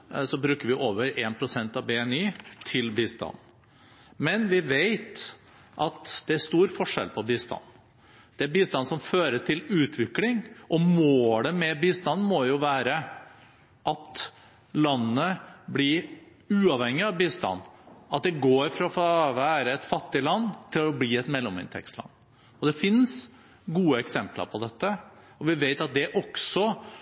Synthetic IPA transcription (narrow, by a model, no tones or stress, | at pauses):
sɔbɾʉːkəɾʋɪʔoːʋəɾeːnpʰɾʊsɛnt̪ɑʋbɛɛniːt̪ʰɪlbiːst̪ɑ̰n | mɛnʋɪʋeɪt̪ | ʔɑt̪d̪̥ɛæʂt̪uːɾfɔʂɛ̰lpʰɔbiːst̪ɑ̰nː | d̪̥ɛæɾbiːst̪ɑnsɔmføːɾəʈʰɪlʉːt̪ʰʋɪklɪŋʔɔmoːləmɛbiːst̪ɑnmɔjʊʋæːɾə | ʔɑt̪ | lɑnːəblɪ | ʉːɑʋhɛŋːɪɑʋbiːst̪ɑ̰nːɑt̪̚d̪ɛɡoːɾfɾɑfʋæːɾəɛt̪fɑt̪ːɪlɑnːt̪ʰɪlɔbliːɛt̪mɛlːɔmɪ̰nt̪ʰɛ̰kst̪lɑ̰nː | ɔd̪ɛfɪns | ɡuːəɛksɛmplə̰ɾpʰɔd̪ɛt̪ːə | ɔʋɪʋeɪt̪ɑt̪̚d̪ɛʔɔksɔ